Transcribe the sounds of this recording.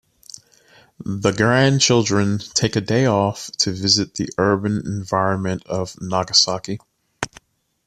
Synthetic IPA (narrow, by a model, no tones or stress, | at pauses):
ðəɡɹæ̃nt͡ʃʰɪlˠdɹɨ̃ntʰeɪkɨdeɪɔftʰɨvɪzɨt̪̚ðiʔɜ˞bɨ̃nɪ̰̃ɱvaɪɹɨ̃nmɨ̃ntʌv̥nɑɡəsɑki